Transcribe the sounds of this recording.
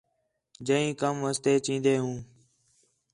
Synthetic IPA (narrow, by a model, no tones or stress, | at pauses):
d͡ʒəĩːkəmʋəst̪eːt͡ʃĩːnd̪eːɦũː